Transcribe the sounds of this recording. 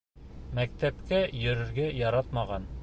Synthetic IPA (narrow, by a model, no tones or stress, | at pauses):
mæk̚t̪æpkæjɵ̆ɾɘ̆ɾɡæjɑɾɑt̪mɑʁɑn